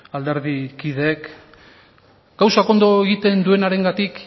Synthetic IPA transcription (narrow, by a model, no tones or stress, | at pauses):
ald̪e̞ɾðikiðeːk | ɡ̥awsako̞nd̪o̞e̞ɣit̪e̞nd̪ue̞naɾe̞ŋɡat̪ik